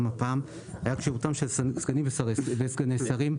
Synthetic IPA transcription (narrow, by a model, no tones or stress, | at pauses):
mapaːm | hajakʃeʁutamʃelsɡanimbesaʁvesɡanesaʁim